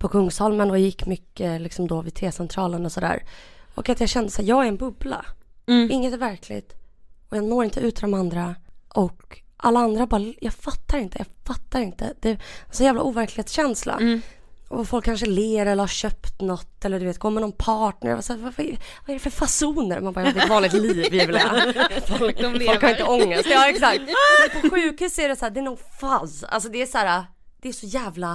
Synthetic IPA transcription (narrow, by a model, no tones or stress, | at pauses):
pʰɔkʰɵŋːshɔlmənɔjɪkːmʏkːəlɪksɔmd̪ɔvɪt̪ʰeːsɛnt̪ʰɾɑːlənɔsɔd̪æ̰ːɾɔ̰kat̪jɑːɕɛnd̪əsæːɾjɑːɡæɾɛnbɵbla̰ɪŋːət̪ɛvæɾkʰlɪ̰ɡt̪ɔjɑːnoːɾɪnt̪əʉ̟ːt̪ʰd̪ɔmand̪ɾaʔɔkʔalːaand̪ɾabɑːɾajɑːɡfat̪ʰːaɾɪnt̪əjɑːfat̪ːaɾɪnt̪ə̰d̪̥ɛsɔnjæːvla̰ʔuːvæɾklɪheːt̪sɕɛnsla̰ | ɔfɔlkʰːanʂəleːɾɛlːəɾhaɾɕœpt̪nɔt̪ːɛlːəɖ̪ɵveːt̪ɡoːmɛnɔnpʰɑːʈnə̰ɾva̰sæːɾvavaɛvaɛɾɛfœɾfasuːnəɾ̰manbɑɾjd̪ɛt̪vɑːnlɪkt̪liːvjɛvlɛfɔlfɔlkkhaɾɪnəɔŋːəst̪ːɛksak̚t̪pʰɔɧʉ̟ːkhʉ̟ːsæɾɛsæːd̪ɛːnʊɡfaza̰lsɔd̪ɛæʂæːɾa | d̪̥ɛːʂɔjæːvla